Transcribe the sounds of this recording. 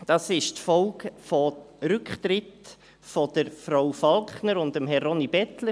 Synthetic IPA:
d̥ɑsɪʃtfɔlkfɔɾʏkχt̪ɾɪt | fɔd̪̥əɾfɾawfɑlkχnəɾʊndəmɦɛrɔnibɛtlə

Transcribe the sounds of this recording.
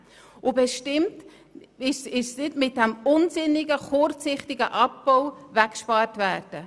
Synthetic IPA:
ʔʊbɛʃtɪmt | ɪʃɪʃsnɪdmɪt̚dɛmʊnsɪnːɪɡəχʊɾt͡sɪχtɪɡəʔɑp̚b̥owvækʃpɑːrtvæːrd̥ə

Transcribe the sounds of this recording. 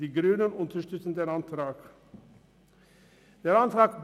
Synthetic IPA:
diːɡɾʉːnənʊnt̪ʰəʂtʏt̪sn̩d̪eːɾɑnt̪ʰɾɑːɡ̥ | d̪̥eːɾɑnt̪ɾɑːɡb

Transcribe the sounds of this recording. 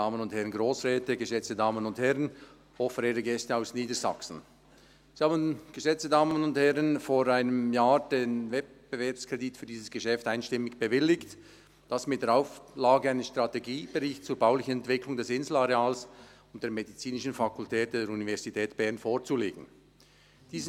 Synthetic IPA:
aːmənʊnthɛʁənɡʁoːsʁɛːtəɡəʃɛt͡stədaːmənʊnthɛʁən | hofəɾeːɾəɡɛstəaʊsniːdəza̰ksn̩ | z̥ihaːbən̩ɡ̥əʃɛt͡stədaːməmənʊnthɛʁənfoːɾaɪnəmjaːɾd̥eːnvɛt̚b̥əvɛɐpskʁ̥editfyːɐdiːsəsɡ̥əʃɛftaɪnʃtɪmɪɡb̥əvɪlɪkt | d̥asmɪt̚d̥eːɐɾaʊflaːɡəaɪnəʃtʁ̥ateɡiːb̥əʁɪçtt͡suːɐbaʊlɪçən̩ɛntv̥ɪklʊŋdɛsɪnzl̩aʁeaːlsʊnt̚d̥eːɾmedit͡siːnɪʃn̩fakʰʊltʰɛːt̚d̥eːɾunivɛɾz̥itʰɛːtb̥ɛʁnfoːʁt͡suleːɡ̥ŋn̩ | d̥iːz

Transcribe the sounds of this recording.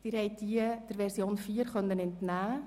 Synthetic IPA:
d̥ɪːɾhɛɪt̚d̥iːəd̥əɾʋɛɾsjoːnfiːəɾχœnːənɛntnæː

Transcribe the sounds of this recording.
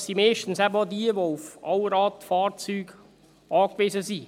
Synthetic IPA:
siːmeːʃtn̩sæbəodiəʋoufʔɑləɾɑːtfɑːɾt͡syːɡ̥ | ʔɑːkveːzəsi

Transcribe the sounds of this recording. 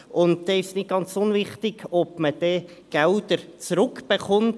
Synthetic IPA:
ʔʊnt̚d̥̪ɛːɪʃsnɪt̚ɡ̥ɑnt͡sʊnvɪχt̪ɪɡ̥ɔb̥məd̥ɛɡ̥ɛld̥̪əɾt͡sɾʊkb̥eχʊnt

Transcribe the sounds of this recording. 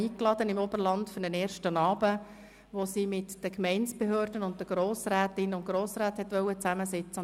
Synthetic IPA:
iːklɑd̥ənɪmɔbərlɑntfynənɛːɾʃtənɑːbə | ʋosiːmɪtd̥əkmɛɪnsb̥eɦøːrdənʊnt̚dəɡ̥ɾoːsɾæːt̪ɪnʊntɡ̥ɾoːsɾæːthɛt̪ʋœwət͡sæməsɛt͡sə

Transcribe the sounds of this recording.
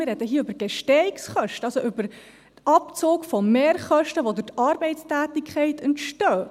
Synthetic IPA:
ɪrɛd̥̪əɦiːəʏbəɾɡ̥ɛʃtɛiksχœʃtəɑlsoʔʏbəɾ | tɑpt͡soːkfɔmeːɾχœʃtəʋodʉtɑɾbɛɪtstæːtikʰχɛɪtʰəntʃtœː

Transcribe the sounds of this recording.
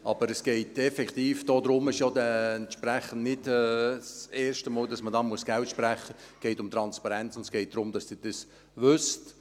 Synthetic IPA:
ʔɑb̥əɾɛsɡ̥ɛɪtɛfɛkχt̪iːfd̥oːd̪ɾʊmɪʃjɔːdɛɛntʃpɾɛχən̩dnɪdɛseːɾʃtəmɔːldɑsmədɑːmuəsɡ̥ɛltʃpɾɛχəɡ̥ɛɪtʊmt̪ɾɑnspɑɾɛnt͡sʊndə̥sɡ̥ɛɪt̚d̥̪ɾʊmd̥ɑsd̥ɪːd̥es | ʋʏst

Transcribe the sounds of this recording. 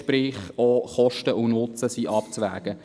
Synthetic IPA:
prɪːχoχɔʃtəʔunʊt͡səsiʔɑpt͡sʋæ̰ːɡ̥ə

